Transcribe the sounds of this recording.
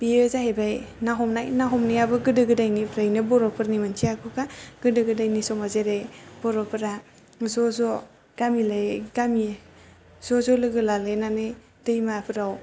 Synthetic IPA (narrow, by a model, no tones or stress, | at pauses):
b̥iɯzaɦebajnaɦɔmnajnaɦɔmniabɯɡɯdɯɡɯdajnipʰɾajnɯbɔɾɔpʰɯɾnimɯnt͡ʃʰiakʰɯkaɡ̥ɯdɯɡɯdajnisɔmazeɾejbɔɾɔpʰɯɾa | zɔzɔ | ɡ̥amilajɡ̥ami | zɔzɔlɯɡɯlalɯjnanɯ | dɯjmapʰɯɾaw